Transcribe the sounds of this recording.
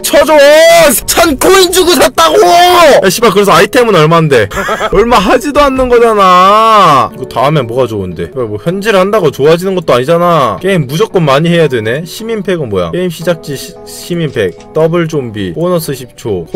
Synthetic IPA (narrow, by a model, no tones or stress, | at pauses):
t͡ɕʰʌd͡ʑo̥t͡ɕʰankʰoind͡ʑuɡusʰat̚t͈aɡojaɕʰibakɯɾesʰʌaitʰemɯnʌɭmande̞ʌɭmaɦad͡ʑidoanːɯnɡʌd͡ʑana | ɯɡotaɯmenmwoɡad͡ʑounde̞̰ibamwʌçjʌnd͡ʑiɾɯɭhandaɡot͡ɕoad͡ʑinɯnɡʌt̚t͈oaɲid͡ʑanake̞imːud͡ʑʌk͈ɯnmaɲiɦe̞jadwe̞ne̞ɕʰiminpʰe̞ɡɯnmwʌja̰keimɕʰid͡ʑak̚t͡ɕ͈i | ɕʰiminpʰe̞k̚t͈ʌbɯɭd͡ʑombḭonʌsʰɯɕʰip̚t͡ɕʰo